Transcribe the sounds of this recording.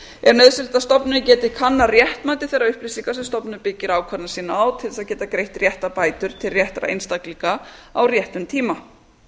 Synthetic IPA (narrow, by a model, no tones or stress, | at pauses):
ɛɾnœðsɪlt̪aðst̪ɔpnʏcɛːt̪ɪkʰanːarjɛht̪maːt̪ɪθɛjɾaʏhplɪsiŋkasɛmst̪ɔpnʏpɪcːɪɾaːwkʰvat̪nasiːnaawt̪ʰɪlɛsaðcɛːt̪akɾejht̪rjɛht̪apaːjt̪ʏɾ̥t̪ʰɪlrjɛht̪ɾa̰ḛjnst̪akliŋkaawrjɛht̪ʏmt̪ʰiːma